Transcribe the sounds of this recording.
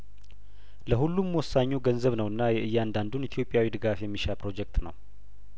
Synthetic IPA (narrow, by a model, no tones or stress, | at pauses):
ləhulːumwɔsːaɲːuɡənzəβnəwɨnːajɛʔɨjːand̪and̪unit̪ʰijo̞pʼːjawid̪ɨɡafjɛmːiʃapɾo̞d͡ʒɛk̚t̪nəw